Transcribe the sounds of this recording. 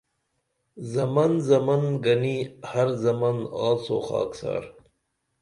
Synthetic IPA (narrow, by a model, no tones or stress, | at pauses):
zɐmɐnzɐmɐnɡɐnihɐɾzɐmanaːlso̰ːχɑ̰ːksɑ̰ːɾ